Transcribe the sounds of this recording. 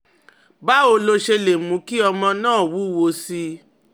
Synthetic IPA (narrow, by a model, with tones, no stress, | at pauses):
ba˦o˧lo˧ʃe˧le˨mũ˨˦ki˦ɔ˧mɔ̃˧nãː˦˨wu˨˦wo˧si˧˦